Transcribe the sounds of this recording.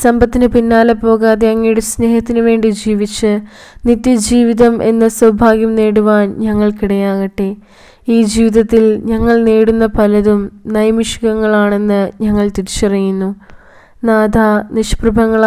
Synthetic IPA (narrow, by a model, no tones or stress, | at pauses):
sɐmbʱɐt̪ːinɨpinːaːlɐpo̞ːɣaːðeɐŋːijuɽusne̞ːhɐt̪ːinuʋe̞ːɳɖid͡ʑiːʋit͡ɕːɨnit̪ːjɐd͡ʑiːʋiðɐmʔe̞̰nːɐsɐwbʱaːɡjɐmne̞ːɽuʋaːnɲɐŋːɐɭkiɽɐjaːɣɐʈːe | iːd͡ʑiːʋiðɐt̪ːilɲɐŋːɐɭneːɽunːɐpɐlɐðumnɐjɐmiʂi̥ɣɐŋːɐɭaːɳe̞nːɨɲɐŋːɐɭt̪iɾit͡ɕːiɐrijːunːu | naːd̪ʱaniʂprubʱɐŋːɐɭ